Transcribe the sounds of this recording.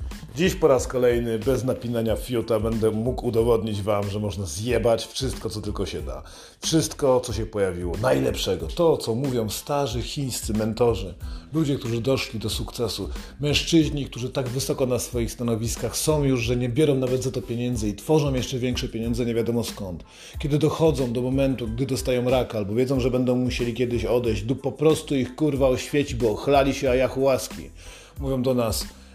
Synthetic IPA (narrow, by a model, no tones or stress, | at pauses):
d͡ʑiɕpɔɾaskɔlɛjnɘbɛznapʲinaɲafʲjut̪abɛnd̪ɛmukud̪ɔvɔd̪ɲid͡ʑvamʐɛmɔʐnazjɛbat͡ɕfʂɘst̪̚kɔt̪sɔt̪ɘlkɔɕɛd̪a̰ | fʂɘst̪kɔt̪sɔɕɛpɔjavʲiwɔnajlɛpʂɛɡɔt̪ɔt̪sɔmuvʲjɔ̃w̃st̪aʐɘxʲiɲ̃st̪sɘmɛnt̪ɔʐɘlud͡ʑɛkt̪uʐɘd̪ɔʂlʲid̪ɔsukt̪sɛsu | mɛ̃ʂt͡ʂɘʑɲikt̪uʐɘt̪aɡvɘsɔkɔnasfɔjixst̪anɔvʲiskaxsɔ̃w̃juʐʐɛɲɛbʲjɛɾɔ̃w̃navɛd̪zat̪ɔpʲeɲɛnd̪zɛit̪fɔʐɔ̃w̃jɛʂt͡ʂɛvʲjɛŋkʂɛpʲjeɲɔnzɛɲɛvʲjad̪ɔmɔskɔnt̪ | kʲɛd̪ɘd̪ɔxɔd̪zɔ̃w̃d̪ɔmɔmɛnt̪uɡd̪ɘd̪ɔst̪ajɔ̃w̃ɾakalbɔvʲjɛd̪zɔ̃w̃ʐɛbɛnd̪ɔ̃w̃muɕelʲikʲjɛd̪ɘɕɔd̪ɛjʑd͡ʑd̪upːɔpɾɔst̪uixkuɾvawɕfʲjet͡ɕibɔxlalʲiɕɛajaxuwaskʲḭ | muvʲjɔ̃w̃d̪ɔnas